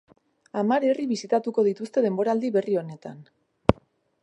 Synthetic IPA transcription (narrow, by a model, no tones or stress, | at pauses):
amaɾe̞riβisit̪at̪uko̞ð̞it̪ust̪e̞ð̞e̞mbo̞ɾald̪iβe̞rio̞ne̞t̪an